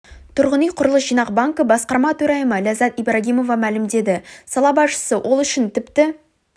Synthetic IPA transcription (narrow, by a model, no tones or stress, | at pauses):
t̪ʰʊɾʁənijqʰʊɾəlˠəsʒijnɑq̚baŋkəbɑsqɑɾmɑt̪ʰɵɾɑjəməlazɑt̪ijbraɡʲijmo̞vɑmælɪmd̪e̞d̪ɪsɑlˠɑbɑsʃə̥səwʔo̞lˠʏʃɪnt̪ʰɪpt̪ɪ